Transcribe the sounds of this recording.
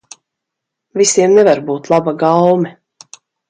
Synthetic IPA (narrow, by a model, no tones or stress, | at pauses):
visiɛmnɛvaɾbuːt̪lˠabaɡawmɛ